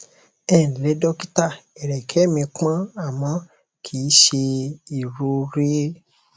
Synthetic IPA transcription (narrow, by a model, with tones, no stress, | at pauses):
ɛ˦˨n̩˨le˨˦dɔ˦ki˦ta˦˨ɛ˨ɾɛ˨kʰɛ˨˦mĩ˧k͡pã˦a˦˨mã˨˦ | kʰi˨˦ʃe˧i˨ɾu˧˦ɾe˦